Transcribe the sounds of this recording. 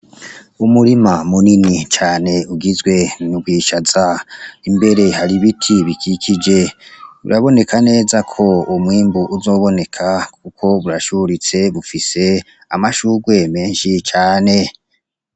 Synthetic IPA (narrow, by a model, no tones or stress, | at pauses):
umuɾimamuninit͡ʃaːne̞uɡizɡwe̞nuɡɡwiːʃazaimbe̞ɾe̞haɾiβitʰiβikʰikʰid͡ʒe̞ṵɾaβo̞ne̞kʰane̞ːzakʰo̞umŋiːmbuʔuzo̞ːβo̞ne̞kʰakʰukʰo̞βuɾaʃuɾit͡se̞βufise̞ | amaʃuːɡwe̞me̞ːnʃit͡ʃaːne̞